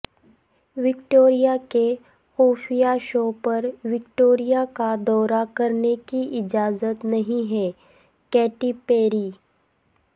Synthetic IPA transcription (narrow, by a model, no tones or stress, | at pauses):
ʋɪkʈoːɾijake | xoːfijaʃoːpɐɾʋɪkʈoːɾijakad̪ɔːɾakɐɾnekiʔɪd͡ʒaːzət̪nɐɦĩɦɛː | kɛːʈipeːɾiː